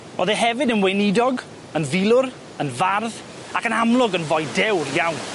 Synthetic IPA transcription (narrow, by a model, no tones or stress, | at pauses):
oðɛɦɛvɨdənwejnɪdɔɡ | ənvilˠʊɾ | ənvarð | akənamlˠʊɡənvɔjdɛwrjawn